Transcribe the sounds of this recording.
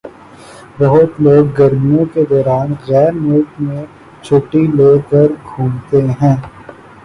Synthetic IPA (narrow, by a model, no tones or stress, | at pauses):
bɐɦʊt̪loːɡːɐɾmijõked̪ɔːɾaːnɣɛːɾmʊlkmẽ | t͡ʃʰoːʈiloːkɐɾɡʱũːlt̪eɦɛ̃ː